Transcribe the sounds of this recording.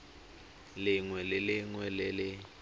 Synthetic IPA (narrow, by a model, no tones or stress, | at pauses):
lɪŋwɛlɪlɪŋwɛlɪlɪ